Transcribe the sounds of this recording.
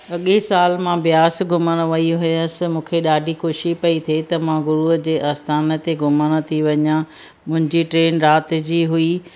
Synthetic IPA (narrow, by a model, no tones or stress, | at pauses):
ɐɠesaːlmãʋɪjaːsɡʱʊməɽ̃ʋɐiɦʊjəsɪ̆mũːkʰeɗaːɖʱixoʃipɐit̪ʰet̪ɐmãɡʊɾud͡ʑeːʔaːst̪ʰaːnə̆t̪eɡʱʊmaɽ̃ət̪ʰiʋɐɲã | mʊ̃ɦɪ̃ɲd͡ʑiʈɾeːnɾaːt̪d͡ʑiːɦʊi